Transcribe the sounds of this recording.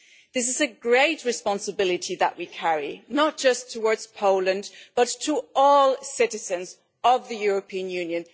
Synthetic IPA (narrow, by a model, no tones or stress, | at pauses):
ðɪs̬ɨzɨɡɹeɪt̚ɹɨspɑ̃nsəbɪlˠɨɾʰiðə̰ʔwikʰæɹḭnət̚d̥ʒ̥ʌstʰəwɔɹdz̥pʰoʊlˠə̃nb̥ʌtʰəɔlˠsɪɾɨzɨ̃nz | ʌvðɨjʊɹəpʰĩɨ̃njʉ̃njɨ̃n